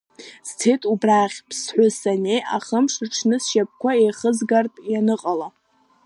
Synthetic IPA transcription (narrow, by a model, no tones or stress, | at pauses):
z̥tʰejtʼubraχʲpʰsħʷʊsanejʔaχəmʂɨʈ͡ʂʰnɨsʃap̚ʰkʷaejχəzɡartʼjanɨqʼala